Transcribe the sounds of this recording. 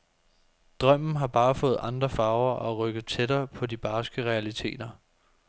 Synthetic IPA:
d̥ʁɶm̰n̩ɦɑ̈b̥ɑ̈ːfɔ̽ːð̞̩ˠʔɑ̈nd̥ʁɐfɑ̈ːʊɐʔɒ̽ʁœɡ̥ð̩ˠt͡sʰedɐːpʰɒ̽dib̥ɑ̈ːsɡ̥əʁɛælit͡sʰe̝̰ːd̥ɐ

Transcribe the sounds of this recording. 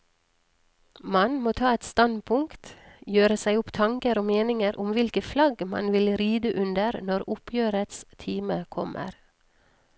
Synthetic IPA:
mɑnmoːt̪ʰɑːɛt̪st̪ɑnpʰʊŋkt̪jøːɾəsæɪʊpt̪ʰɑŋkəɾoːmeːnɪŋəɾʔʊmʋɪlkəflɑɡmɑ̰nʋɪlɾiːd̪əʔʉnd̪əɾnɔɾʊpʰjøːɾət̪st̪ʰiːməkʰɔmʔə̰ɾ

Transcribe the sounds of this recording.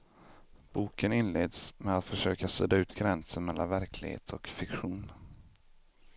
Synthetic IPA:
b̥uːkənɪnleːd̪smɛat̪fœʂøːkasøːd̪aʉ̟ːt̪ɡɾɛnsənmɛlːa̰nvæɾkʰlɪɡhḛːt̪ʰɔkfɪkɧuːn

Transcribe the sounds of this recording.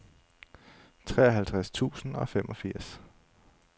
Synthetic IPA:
t͡sʰʁɛ̰ːɐɦælt͡sʰʁast͡sʰṵːsn̩ɒ̽femʔɒ̽fiɐ̰s

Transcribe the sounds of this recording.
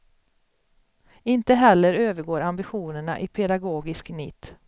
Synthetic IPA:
ɪnt̪əɦɛlːəɾøːvəɾɡoːɾambɪɧuːnəɳa̰ʔɪpʰɛd̪aɡoːɡɪsknɪ̰t̪ː

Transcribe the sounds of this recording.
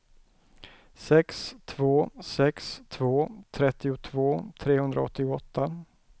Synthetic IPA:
sɛkst̪ʰvoːsɛkst̪ʰvoːt̪ʰɾɛt̪ːɪʊt̪ʰvoːt̪ʰɾeːhɵnd̪ɾa̰ɔ̰t̪ːɪʊɔt̪ʰːa

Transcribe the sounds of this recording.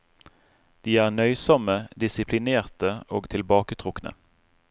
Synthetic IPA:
d̪̥iːæːʁnœʏsɔməd̪ɪsɪpʰlɪneːʁt̪əoːɡt̪ʰɪlbɑːkət̪ʰʁʊknə̰

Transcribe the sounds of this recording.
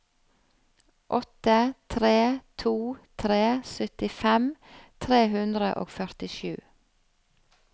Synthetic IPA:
ʔɔt̪ət̪ʰɾeːt̪ʰuːt̪ʰɾeːsœt̪ɪfɛmt̪ʰɾeːɦʉnd̪ɾə̰ʔo̰ːɡfœɾt̪ɪʃʉː

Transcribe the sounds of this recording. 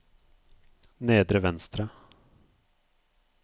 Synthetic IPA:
neːd̪ɾəvɛnst̪ɾa

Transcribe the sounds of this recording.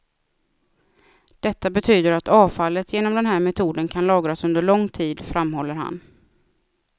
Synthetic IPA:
d̪̥ɛt̪ːabɛt̪ʰyːd̪əɾat̪ɑːvfalːət̪jeːnɔmd̪ɛnɦæːɾmɛt̪ʰuːd̪ənkʰanlɑːɡɾasɵnd̪əɭɔŋːt̪ʰiːd̪fɾamhɔlːəɾha̰n

